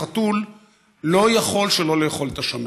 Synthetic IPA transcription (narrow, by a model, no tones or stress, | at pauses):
atulː | o̞jaχo̞lʃelo̞lejeχo̞lt̪aʃam